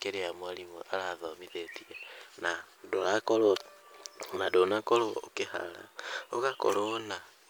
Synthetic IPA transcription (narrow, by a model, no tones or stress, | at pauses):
keɾeamwaɾimoʔaɾaðɔmiðetiɛnadoɾakoɾo | nadonakoɾookeha̰ɾa̰oɣako̰ɾona